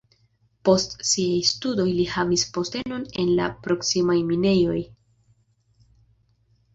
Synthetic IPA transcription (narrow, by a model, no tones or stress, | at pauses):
po̞stsiajstudo̞jlihavispo̞ste̞no̞ne̞nla̰pɾo̞ksimajmine̞jo̞j